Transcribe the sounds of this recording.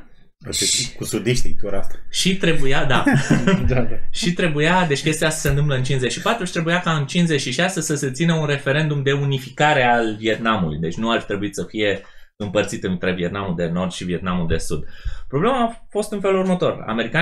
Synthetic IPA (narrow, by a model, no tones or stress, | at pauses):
a̰fikusud̪iʃt̪it̪uɾast̪aʃit̪ɾe̞bujad̪ad̪aʃit̪ɾe̞bujad̪e̞t͡ʃʲkʲe̞st̪ejasə̥se̞nt̪ɨmpləɨnt͡ʃinzet͡ʃʃipat̪ɾut͡ʃt̪ɾe̞bujakaɨnt͡ʃinze̞t͡ʃʃiʃasesəse̞t̪sinəunre̞fe̞ɾe̞nd̪umd̪e̞unifikaɾe̞alvie̞t̪namulṵjd̪e̞t͡ʃʲnuarfit̪ɾe̞buit̪səfije̞ | ɨmpərt̪sit̪ɨnt̪ɾe̞vie̞t̪namuld̪e̞no̞rd̪ʃivie̞t̪namuld̪e̞sud̪pɾo̞ble̞maːfo̞st̪unfe̞lurmət̪o̞̰ra̰me̞ɾika